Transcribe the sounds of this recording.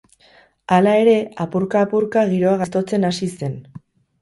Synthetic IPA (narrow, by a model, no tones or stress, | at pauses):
alae̞ɾe̞apuɾkaːpuɾkaɣ̞iɾo̞aɣast̪o̞t͡se̞nasise̞n